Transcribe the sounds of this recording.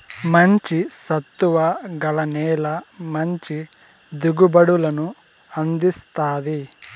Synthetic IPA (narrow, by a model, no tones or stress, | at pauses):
mɐɲt͡ʃisɐt̪ːuʋɐɡɐlɐnɛːlɐmɐɲt͡ʃi | d̪uɡubɐɽulɐnu | ɐnd̪ist̪aːd̪i